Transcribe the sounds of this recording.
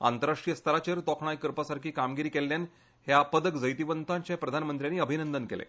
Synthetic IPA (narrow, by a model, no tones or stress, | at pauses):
a̰nt̪əɾaʂʈɾijəst̪əɾat͡ɕeɾt̪ɔkʰɳ̃ajkəɾpasaɾkiːkamɡiɾiːkelːjan | ɦjapəd̪əkd͡zəjt̪iʋənt̪ʰaɲt͡ɕjapɾəd̪ʱanmənt̪ɾjanːiːəbʱinənd̪ənkelḛ